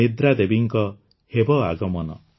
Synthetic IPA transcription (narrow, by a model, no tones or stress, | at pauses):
id̪ɾad̪ebiŋkɔ | hebɔaɡɔmɔnɔ̰